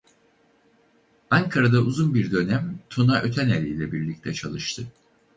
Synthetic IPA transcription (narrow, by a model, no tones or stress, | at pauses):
aŋkʰaɾad̪auzunbiɾd̪ø̞næmt̪ʰunaʔø̞t̪ʰænelʲijlʲɛbiɾlʲic̚t̪ʰɛt͡ʃʰa̰lˠɯʃt̪ʰɯ